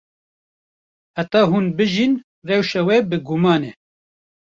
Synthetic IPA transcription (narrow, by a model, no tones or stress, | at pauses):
hæt̪ɑːɦuːnbɨʒin | rɛwʃɛwɛbɨɡʊmɑːne